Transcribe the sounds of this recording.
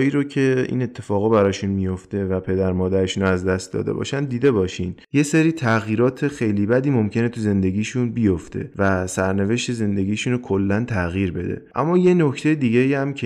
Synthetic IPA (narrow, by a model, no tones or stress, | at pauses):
iːɾocʰe̞ḭːne̞t̪ʰːe̞fɒːɣɒbæɾɒːʃunmijo̞ft̪e̞væpʰe̞d̪æɾmɒːd̪æɾeʃunoæzd̪æst̪̚d̪ɒ̰ːd̪e̞̰bɒ̰ːʃænd̪d̪iːd̪e̞bɒːʃiːnjeseɾiːt̪ʰæɣjiːɾɒːt̪ʰe̞xe̞jliːbæd̪iːmo̞mcʰe̞ne̞t̪ʰuze̞nd̪e̞ɟiːʃunbijo̞ft̪ʰe̞̰væsæɾne̞ve̞ʃt̪e̞ze̞nd̪e̞ɡiːʃunokʰolːænt̪ʰæɣiːɾbe̞d̪ḛʔæ̰mːɒːje̞no̞cʰt̪ʰejed̪iːɟejæmcʰe